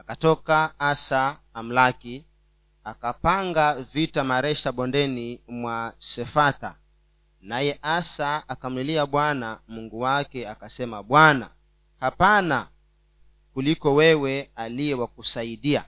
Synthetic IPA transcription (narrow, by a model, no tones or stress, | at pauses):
akatɔkaasaːm̩laki | akapaŋɡavitamaɾɛʃaɓɔndɛnimwasɛfat̪a | najɛʔasaːkam̩liliaɓwanamuŋɡuwakɛakasɛmaɓwana̰ | hapana | kulikɔwɛwɛalijɛwakusaiɗia̰